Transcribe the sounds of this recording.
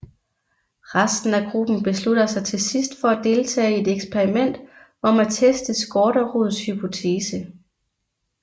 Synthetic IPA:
ʁasd̥n̩æɡ̥ʁub̥n̩b̥e̝slud̥ɐsɑ̈ɪt͡sʰe̝lsisd̥fɒ̽æd̥e̝ːlt͡sʰɛ̰ːe̝d̥eɡ̥spʰeʁimen̰d̥ | ɒ̽mæt͡sʰesd̥əsɡ̥ɒːɾ̥ɐʁuðˠshypʰo̝t͡sʰe̝ːsə

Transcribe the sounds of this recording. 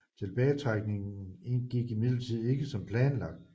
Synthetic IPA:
t͡sʰe̝lb̥ɛːt͡sʰʁɑ̈ɡ̥ne̝ŋnɡ̥iɡ̥imið̰ˠlət͡sʰið̞̰ˠe̝ɡ̥əsɒ̽mpʰlɛːnlɑ̈ɡ̥̚d̥

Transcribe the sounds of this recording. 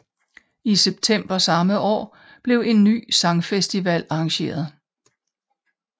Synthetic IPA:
iseb̥̚t͡sʰem̰b̥ɐsɑ̈məʔɒ̰ː | b̥le̝ʊe̝nːy̰ːsɑ̈ŋfesd̥iʋæl̰ɑɑ̈ŋɕe̝̰ːɐð̞ˠ

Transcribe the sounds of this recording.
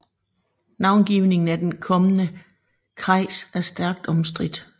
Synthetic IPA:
nɑ̈ʊnɡ̥iʊne̝ŋn̩æd̥enkʰɒ̽mənə | kʰʁɑ̈ɪsæɐsd̥æɐɡ̥̚d̥ɒ̽msd̥ʁid̥

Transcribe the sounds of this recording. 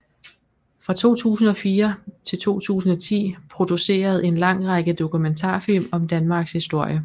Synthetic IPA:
fʁɑ̈t͡sʰo̝̰ːt͡sʰṵːsn̩ɒ̽fiːɐt͡sʰe̝lt͡sʰo̝̰ːt͡sʰṵːsn̩ɒ̽t͡sʰḭːpʰʁo̝d̥use̝̰ːɐð̞̩ˠe̝nlɑ̈ŋ̰ʁɑ̈ɡ̥əd̥o̝kument͡sʰɑ̰̈ːfilmɒ̽md̥ænmɑ̈ːɡ̥shisd̥o̝ɐ̰jə

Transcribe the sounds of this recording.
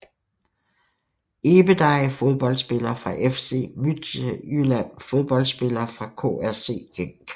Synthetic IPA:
e̝ːb̥əd̥ɑ̈ɪfo̝ð̞ˠb̥ɒ̽l̰d̥sb̥e̝lɐːfʁɑ̈ʔefse̝̰ːmyd̥ylæn̰fo̝ð̞ˠb̥ɒ̽l̰d̥sb̥e̝lɐːfʁɑ̈kʰo̰æɐse̝̰ːɡ̥eŋ

